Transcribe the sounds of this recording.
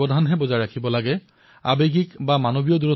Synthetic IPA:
ɔdʱanɦɛbɔzaɹɹakʰibɔlaɡɛ | a̰beɡikbamanobijɔduɹɔ

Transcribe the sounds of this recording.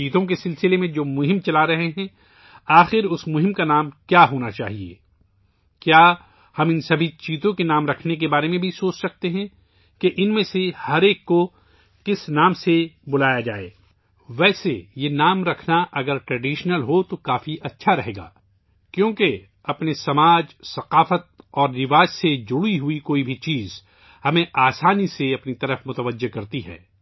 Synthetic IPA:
t͡ʃiːt̪õk̬esɪlsɪlemẽd͡ʒoːmʊɦɪ̃mt͡ʃɐlaɾɐɦeɦɛ̃ | aːxɪɾʊsmʊɦɪ̃mkanaːmkjaːɦoːnat͡ʃa̰ːɦiḛː | kjaː | hɐmɪnsɐbʱit͡ʃiːt̪õkenaːmɾɐkʰnek̬ebaːɾemẽbʱisoːt͡ʃsɐk̚t̪eɦɛ̃ | keʔɪnmẽsehɐɾeːkːo | kɪsnaːmsebʊlaːjad͡ʒa̰ːḛː | ʋɛːsejenaːmɾɐkʰnaʔɐɡəɾʈɾɛɖiːʃnəlɦot̪okaːfiʔɐtːʃʰaɾɐɦeːɡa̰ː | kjõːke | ɐpnesɐmaːd͡ʒsɐqaːfət̪̚ɔːɾnɪʋaːd͡ʒsed͡ʒʊɽiɦuikoːibʱit͡ʃiːz | hɐmẽʔaːsaːniseɐpnit̪ɐɾəfmʊt̪əʋəd͡ʒːekɐɾt̪iɦɛ̰ː

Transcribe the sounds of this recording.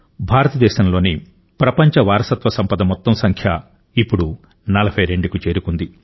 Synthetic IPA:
bʱaːɾɐt̪ɐd̪ɛːʃɐmlo̞ːni | pɾɐpɐɲt͡ʃɐʋaːɾɐsɐt̪ʋɐsɐmpɐd̪ɐmɔt̪ːɐmsɐŋkʰjɐ | ipːuɽu | nɐlɐbʱɐjɾe̞ɳɖukut͡ʃe̞ːɾukund̪i

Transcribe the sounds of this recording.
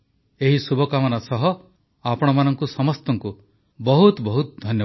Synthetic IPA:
eɦisubʱɔkamɔnasɔɦɔ | apɔɽ̃ɔmanɔŋkusɔmɔst̪ɔŋku | bɔɦut̪bɔɦut̪ɔd̪ʱɔnjɔ

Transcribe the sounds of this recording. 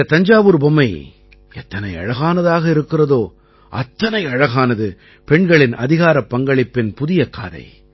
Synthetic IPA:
ɐt̪ɐɲd͡ʒaːʋɯɾbɔmːɐɪ | ɛt̪ːɐnɐɪɐ̰ɻɐɣaːnɐðaːɣɐɪɾɯkːɪrɐðoː | ʔɐ̰t̪ːɐnɐɪɐɻɐɣaːnɐðɯ | pɛɳɡɐɭɪnɐ̰ðɪɣaːɾɐpːɐŋɡɐɭɪpːɪnpʊðɪjɐkːa̰ːðɐ̰ɪ

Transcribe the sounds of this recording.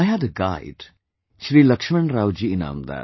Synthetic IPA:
ajɦædəɡaɪɖ | ʃɾiːlɐkʃmə̃ɳɾaːwd͡ʒiɪna̰ːmd̪a̰ː

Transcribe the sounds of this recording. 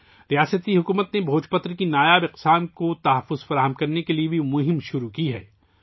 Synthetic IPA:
ɾijaːsət̪iɦʊkuːmət̪nebʱoːt͡ʃpət̪ɾkinaːjaːbɪqsaːnkot̪ɐɦɐfːʊzfɐɾaːɦəmkɐɾnekeliebʱemʊɦɪmʃʊɾukiɦɛ̰ː

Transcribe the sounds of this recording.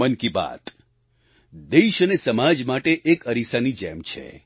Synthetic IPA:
ənkiba̰t̪ | d̪eʃənesəmad͡ʒmaʈeʔekəɾisanid͡ʒɛ̰mt͡ʃʰḛ

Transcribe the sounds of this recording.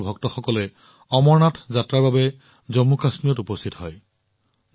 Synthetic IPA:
bʱɔk̚tɔxɔkɔlɛ | ɔmɔɹnatʰzatɹaɹbabɛ | zɔmːukasmiɔtupɔstʰitɔɦɔj

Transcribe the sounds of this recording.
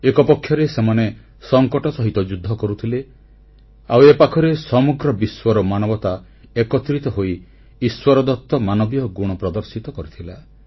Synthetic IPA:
ekɔpɔkʰːjɔɾesemane | sɔŋkɔʈɔsɔɦit̪ɔd͡ʒud̪ʱːɔkɔɾut̪ʰile | awepakʰɔɾesɔmuɡɾɔbiswɔɾɔmanɔbɔt̪a | ekɔt̪ɾit̪ɔɦoi | iswɔɾɔd̪ɔt̪ːɔmanɔbjɔɡuɽ̃ɔpɾɔd̪ɔɾsit̪ɔkɔɾit̪ʰila

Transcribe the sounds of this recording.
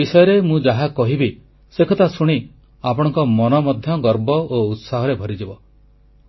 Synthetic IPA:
isɔjɔɾemũd͡ʒaɦakɔɦibi | sekʰɔt̪asuɽ̃i | apɔɽ̃ɔ̃ŋkɔmɔnɔmɔd̪ʱjɔɡɔɾbɔout̪saɦɔɾebʱɔɾid͡ʒibɔ

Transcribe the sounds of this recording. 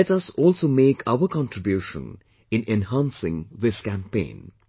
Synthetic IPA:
ɛʈʌsɔːlsoːmeːkʰa̰ʊəkɑ̃nʈɾɪbjuːʃə̰̃n | ɪ̃nɛ̃nɦãnsɪ̰̃ŋðɪskæ̃mpḛ̃ːn

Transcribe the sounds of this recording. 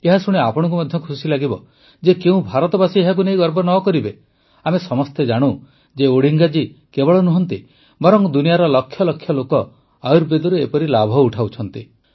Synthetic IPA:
eɦasuɽ̃eapɔɽ̃ɔ̃ŋk̬umɔd̪ʱjɔkʰusilaɡibɔ | d͡ʒekeũbʱaɾɔt̪ɔbasieɦak̬unejɡɔɾbɔnɔkɔɾibe | amesɔmɔst̪ed͡ʒaɽ̃u | d͡ʒeoɽ̤iŋɡad͡ʒikebɔɭɔnuɦɔnt̪i | bɔɾɔŋd̪unijaɾɔlɔkʰːjɔlɔkʰːjɔlokɔ | ajuɾbed̪ɔɾuepɔɾilabʱɔuʈʰawt͡ʃʰɔn̪t̪i

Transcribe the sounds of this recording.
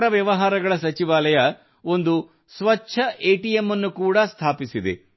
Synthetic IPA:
ɾɐʋjɐʋɐɦaːɾɐɡɐɭɐsɐt͡ʃiʋaːlɐjɐ | o̞nd̪u | sʋɐtːʃʰɐʔeːʈijemːɐnːukuːɽɐst̪ʰaːpisid̪ḛ

